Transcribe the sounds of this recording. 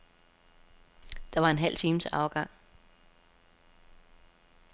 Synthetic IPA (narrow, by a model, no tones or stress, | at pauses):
d̥ɑ̈ʋɑ̈e̝nɦæl̰t͡sʰiːməsɑ̈ʊɡ̥ɑ̈ŋ̰